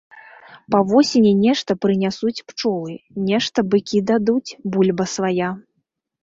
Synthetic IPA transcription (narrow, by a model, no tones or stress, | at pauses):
pɐvɔsʲenʲɛnʲɛʂt̪ɐpɾɨnʲasut͡sʲpt͡ʂɔlˠɨnʲɛʂt̪ɐbɨkʲid̪ad̪ut͡sʲbulʲbɐsvaja